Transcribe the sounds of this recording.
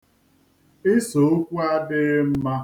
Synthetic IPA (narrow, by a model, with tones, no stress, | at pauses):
ɪ˦so˨o˦kʷu˦a˦dɪ˦ɣɪ˦m̩˦ma˦